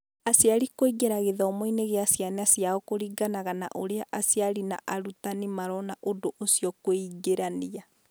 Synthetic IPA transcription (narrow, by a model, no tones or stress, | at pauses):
asjaɾikoiɡeɾaɣeðɔmoineɣeasjanɛasjaɔkoɾiɡanaɣana̰ʔoɾeaʔasjaɾina̰ʔaɾutanemaɾɔnaʔodoʔosiɔkoiɡeɾania